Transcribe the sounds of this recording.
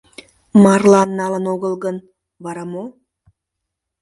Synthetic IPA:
mɑrlˠɑnːɑlˠə̆noɣə̆lˠɣən | βɑɾɑmo

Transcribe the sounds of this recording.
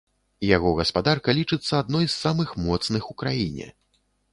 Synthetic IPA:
jaɣɔɣɐspad̪arkɐlʲit͡ʂɨt̪sːɐad̪nɔjsːamɨxmɔt̪snɨxukɾajinʲɛ̰

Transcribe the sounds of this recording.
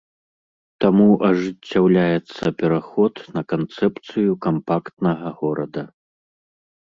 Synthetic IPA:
t̪amuʔɐʐɨt͡st͡sʲːawlʲajɛt̪sːɐpʲɛɾaxɔt̪nɐkant̪sɛpt̪sɨjukampakt̪nɐɣɐɣɔɾɐd̪ɐ

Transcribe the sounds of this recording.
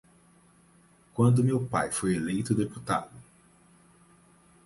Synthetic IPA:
kwɐ̃nd̪ʊmewpa̰jfojelejt̪ʊd̪eput̪a̰d̪ʊ

